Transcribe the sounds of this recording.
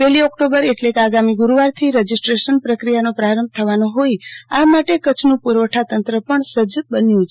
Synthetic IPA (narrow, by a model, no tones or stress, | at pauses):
pɛɦliɔkʈobəɾeʈlekeaɡamiɡuɾuʋaɾt̪ʰiɾəd͡ʒisʈɾeʃənpɾəkɾijanõpɾaɾəmb̚ʱt̪ʰəʋanõɦojiamaʈekət͡ʃʰnũpuɾʋəʈʰat̪ənt̪ɾəpəɳsəd͡ʒbənjũt͡ʃʰe